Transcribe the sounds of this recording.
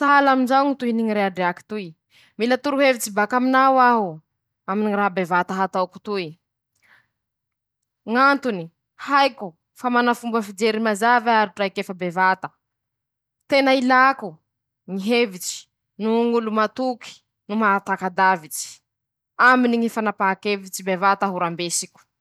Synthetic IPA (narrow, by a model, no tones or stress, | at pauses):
t̪aalaminzaŋit̪uiniŋiɾeaɖ͡ʐeaki̥t̪ui | milat̪uɾuɦevit͡ʃibakaminawaɦu | aminiirabevat̪aɦat̪aku̥t̪ui | ŋant̪uni | hajku | famanafumbəfid͡ʒeɾimazavaɾiʈ͡ʂajkefəbevat̪ə̥ | t̪enailaku | ŋiɦevit͡ʃi̥ | nuŋulumat̪uki̥ | numaat̪akad̪avit͡ʃi̥ | aminiŋifanapaakevit͡ʃibevat̪aɦuɾambesikʲu̥